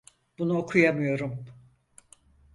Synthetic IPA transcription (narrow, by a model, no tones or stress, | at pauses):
b̥unuokʰujamɯjo̞ɾum